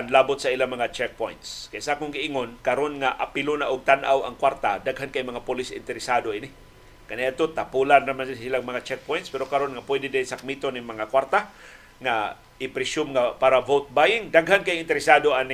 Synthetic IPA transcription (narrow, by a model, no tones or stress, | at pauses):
nlaːbʊt̪̚sailamɐŋat͡ʃɛk̚pojnt̪skajsaʔakʊŋɡɪɪŋonkaɾonŋaʔa̰pɪlʊnaʔʊɡ̚t̪anʔa̰wa̰ŋkwaɾt̪ad̪aɡɦankajmɐŋapʊlɪsɪ̰nt̪ɛɾɪsad̪oʔɪnɪ | kanaad̪̚t̪ot̪apulannamansilaŋmɐŋat͡ʃɛk̚pojnt̪spɛɾokaɾonŋapwɛd̪ɪd̪ɪsak̚mit̪onɪŋmɐŋakwaɾt̪a | ŋa | ʔɪpɾɪsʊmŋapaɾavowt̪̚bajɪŋd̪aɡɦankajŋɪnt̪ɛɾɪsad̪oanɪ